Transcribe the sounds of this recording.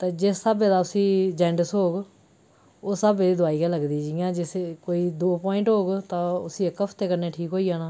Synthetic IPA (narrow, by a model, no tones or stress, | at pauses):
t̪eːd͡ʒɪsːəbeːd̪aːʊsĩːd͡ʒɛ̃ːɳɖəsɦoːɡ | oːsəbeːd̪iːd̪ʊaːiːɡãːləɡd̪iːd͡ʒijãːd͡ʒɪskoːiːd̪oːpɔːɪ̃ɳʈɦoːɡt̪ãːʊsĩːɪkːəfʰt̪eːkəɾneːʈʰiːkɦoːiːaːnaː